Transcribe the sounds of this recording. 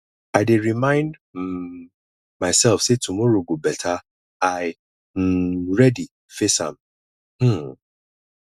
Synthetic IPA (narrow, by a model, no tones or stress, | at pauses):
aɪdeɹimãɪ̃ndm̩ | maɪsɛlfsetʰumɔɾoɡobɛtʰa | aɪ | m̩ɹɛdi | feshã̰m | h̩